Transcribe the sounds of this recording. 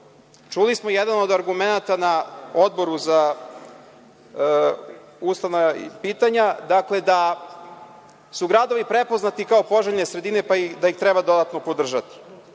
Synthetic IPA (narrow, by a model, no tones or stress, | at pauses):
t͡ʂulismo̞jɛd̪ano̞d̪aɾɡumenat̪anao̞d̪̚bo̞ɾuza | ust̪ano̰piːt̪aɲad̪akle̞d̪a | suɡɾad̪o̞ʋipɾepo̞znat̪ikaopo̞ʒeʎnesɾe̞d̪ine̞paid̪ajixt̪ɾebad̪o̞d̪at̪no̞pod̪r̩ʒat̪i̥